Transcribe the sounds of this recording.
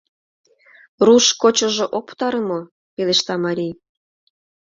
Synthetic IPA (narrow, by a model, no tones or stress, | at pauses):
ruʃkot͡ɕŏʒoʔopt̪ɑɾəmo | peleʃt̪ɑmɑɾʲij